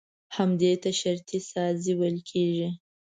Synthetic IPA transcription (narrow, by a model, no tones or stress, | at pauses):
hamd̪et̪aʃaɾt̪isɑziwəlkʰeʒi